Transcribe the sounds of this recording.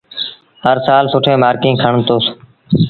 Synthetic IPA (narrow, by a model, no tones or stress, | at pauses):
həɾsaːlsʊʈʰẽːmaːɾkĩːkʰəɳt̪oːs